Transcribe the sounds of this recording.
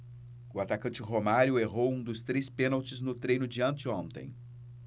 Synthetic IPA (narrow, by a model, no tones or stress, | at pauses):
ʊat̪akɐ̃nt͡ʃɪɦomaɾjʊeɦowũd̪ʊst̪ɾespẽnawt͡ʃɪznʊt̪ɾejnʊd͡ʒiɐ̃nt͡ʃɪõnt̪ḛ̃j̃